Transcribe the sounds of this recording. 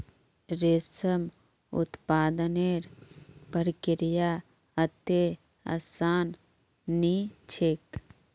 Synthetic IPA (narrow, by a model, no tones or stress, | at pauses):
ɾesəm | ʊ̰t̪paːd̪əneːɾpəɾkɪɾja | ət̪e | ɐ̰saːnː | it͡ʃʰek